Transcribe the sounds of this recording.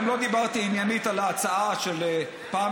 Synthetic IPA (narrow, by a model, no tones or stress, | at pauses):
mlo̞d̪ibaʁt̪iinjanit̪alaːt͡saaʃele | paː